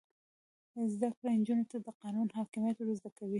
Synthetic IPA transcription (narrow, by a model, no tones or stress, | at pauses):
əzd̪akɽand͡ʒunot̪ad̪əqɑnunɦɑkɪmjat̪oɾazd̪akawi